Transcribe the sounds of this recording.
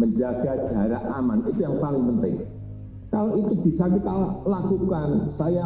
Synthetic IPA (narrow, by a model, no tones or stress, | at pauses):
məɲd͡ʒaɡ̥a̤̥ʒ̥aɾaʔamanit̪ujaŋpalɪŋpənt̪ɪ̰ŋ | kaloʔit̪ub̥i̤sakit̪alakukansaja